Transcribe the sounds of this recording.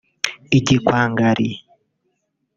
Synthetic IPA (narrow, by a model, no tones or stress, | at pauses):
iɟikwaːŋɡaɾi